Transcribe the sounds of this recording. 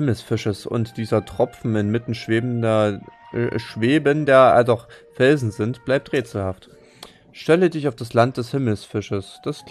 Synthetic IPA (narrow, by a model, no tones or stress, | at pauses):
ml̩sfɪʃəsʊ̰ntd̥iːzɐtʁ̥ɔpp͡fn̩ɪnmɪtn̩ʃv̥eːbn̩dɐ | ʃv̥eːbəndeːɐa̰dɔχfɛlzn̩zɪntb̥laɪp̚tʁeːt͡sl̩haft | ʃtɛlədɪçaʊfd̥aslant̚d̥ɛshɪml̩sfɪʃəsd̥as